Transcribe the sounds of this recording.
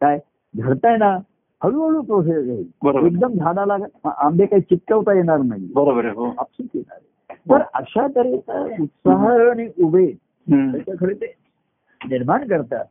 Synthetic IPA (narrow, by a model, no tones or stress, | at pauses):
kaj | ɡ̪ʱəɾt̪ajna | həɭũɦəɭuːpɾos̬esjaɦḭbəɾoeɡ̚d̪əmd͡ʒʱanalaamb̪ekaɦit͡ɕit̪̚kəʋt̪ajeɽ̃aɾnaɦḭbəɾobəɾɦoapsukjena̰ɾe | t̪əɾə̰ɕat̪əɾet̪ə̰ut̪saɦəaɽ̃iʔube | t̪ət͡ɕakʰəɽet̪e | niɾmaɳkəɾt̪a̰